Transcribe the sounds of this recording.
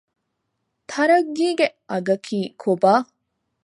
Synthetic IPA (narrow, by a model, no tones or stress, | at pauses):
t̪ʰɐɾɐɡːiːɡeɐɡɐkʰiːkʰobaː